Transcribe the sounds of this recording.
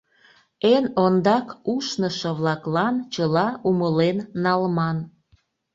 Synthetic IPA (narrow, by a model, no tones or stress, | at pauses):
enond̪ɑkuʃnəʃəβlɑklɑnt͡ɕəlɑuməlenːɑlmɑn